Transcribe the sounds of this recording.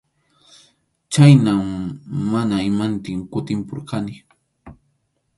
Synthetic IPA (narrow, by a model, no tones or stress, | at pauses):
t͡ʃajnammanaɪmant̪ɪŋkʊt̪ɪmpʊɾkʰanɪ